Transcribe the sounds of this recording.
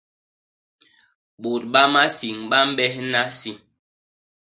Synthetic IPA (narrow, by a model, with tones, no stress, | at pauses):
ɓo˨t̚ɓa˦ma˦si˨ŋɓa˦m̩˦ɓɛ˦hna˦si˦